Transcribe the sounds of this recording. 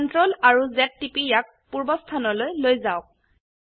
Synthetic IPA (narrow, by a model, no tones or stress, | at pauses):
ɔntɹolaɹuzɛtːipijak̚puɹbɔstʰanɔlojlojzaʊk̚